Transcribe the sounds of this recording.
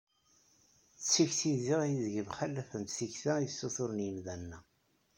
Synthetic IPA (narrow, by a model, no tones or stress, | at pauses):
t͡sːiçθiðiʁjiðʝəmχælːæfənt̪θiçθæjəsːoθʊɾənjəmðænːæ